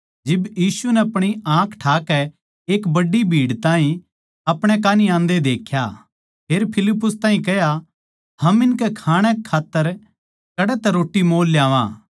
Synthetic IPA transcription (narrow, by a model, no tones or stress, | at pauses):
d͡ʒɪbjiːsunɛɐpɽ̃iãːkʰʈʰaːkɛ | eːkbɐɖːibʱiːɽt̪ãːɦĩ | ɐpɽ̃ɛk̬aːniãːnd̪ed̪eːkʰja | pʰeːɾpʰɪlɪpːʊst̪ãːɦĩkɛja | hɐmɪnkɛkʰaːɽ̃ɛkʰaːt̪ːəɾ | kɐɽɛt̪ɛɾoːʈːimoːlːjãːʋã̰ː